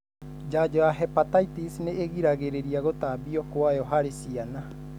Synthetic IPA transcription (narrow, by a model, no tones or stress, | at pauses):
d͡ʒad͡ʒɔaɦɛpataitisneeɣiɾaɣeɾeɾiaɣot̪abiɔkoajɔɦaɾesiana